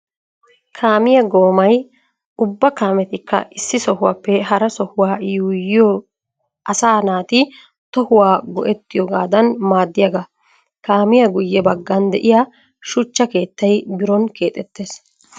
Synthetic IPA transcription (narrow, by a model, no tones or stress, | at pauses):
kʰaːmɪjɐɡo̞ːmɐj | ʊbːɐkaːmɛt̪ɪkʰːɐ̰ɪsːɪsɔhʊwaːpːɛɦɐɾɐsɔhʊwaːjuːjɪj | ʔɐsaːnaːt̪ɪ | t̪ɔhʊwaːɡɔʔɛt̪ːɪjɔɡaːd̪ɐnmaːd̪ːɪjɐɡɐ | kaːmɪjɐɡʊjːɛbɐɡːɐnd̪ɛ̰ʔɪja | ʃʊt͡ʃːɐke̞ːt̪ːɐjbɪɾɔnke̞ːt̪ʼɛt̪ːe̞ːs